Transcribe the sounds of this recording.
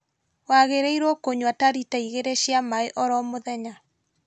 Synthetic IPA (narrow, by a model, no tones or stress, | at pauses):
waɣeɾeiɾɔkoɲwataɾitaiɣeɾeɕjamaeʔɔɾɔmoðɛɲa